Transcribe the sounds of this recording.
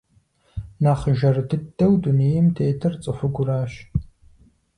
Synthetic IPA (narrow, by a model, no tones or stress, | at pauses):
naːχəʒɐrdɨdːɐwduneːjɪmtʰeːtʰɐrt͡sʼɨfʷɨɡʷʊraːɕ